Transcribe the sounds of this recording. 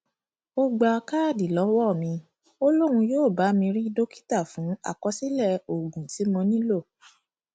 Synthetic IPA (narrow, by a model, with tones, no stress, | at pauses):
o˦ɡ͡ba˧ka˦˨di˨lɔ˨˦wɔ˦˨mĩ˧ | o˦lo˦ɾũ˧joː˦˨ba˨˦mĩ˧ɾĩ˦do˦ki̥˦ta˦˨fũ˨˦a̰˦˨kɔ˨˦si˦lɛ˦˨o˨ɡũ˨ti˨˦mɔ̃˧nĩ˦lo˦˨